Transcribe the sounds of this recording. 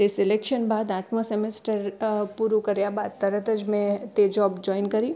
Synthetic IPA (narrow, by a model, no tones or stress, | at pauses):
esɪlekʃənbaːd̪aːʈmasɛmesʈəɾpuɾukɐɾjabaːd̪t̪ɐɾət̪əd͡ʒmẽt̪ed͡ʒɔːbd͡ʒɔːɪnkɐɾiː